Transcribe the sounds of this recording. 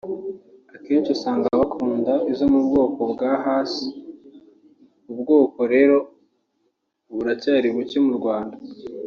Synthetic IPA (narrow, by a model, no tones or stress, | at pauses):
akiːnt͡ʃusaːŋɡaβakʰuːndaizomubɡo̞ːko̞bɡaɦaːsi̥ | ubɡo̞ːko̞ɾe̞ːɾo̞ | βuɾacaːɾiβucemuɾɡwaːnda